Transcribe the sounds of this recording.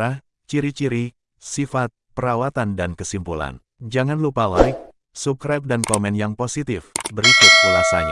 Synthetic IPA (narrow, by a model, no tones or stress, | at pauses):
ah | t͡ʃiɾit͡ʃiɾi | sifat̪̚pəɾawat̪andankəsimpula̰n | d͡ʒaŋanlupalaik̚ | sup̚kɾap̚dankomɛnjaŋposit̪ɪfbəɾikʊt̪̚kəlasaɲa̰